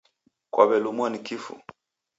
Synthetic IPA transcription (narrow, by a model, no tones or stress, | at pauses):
kwabɛlumwanikifṵ